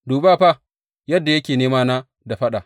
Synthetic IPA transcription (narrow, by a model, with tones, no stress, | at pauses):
duː˨baː˦˨ɸa˦˨ | jɐ˦dːa˨jɐ˦kʲeː˨neː˦maː˦naː˦ | da˨ɸɐ˦ɗa˨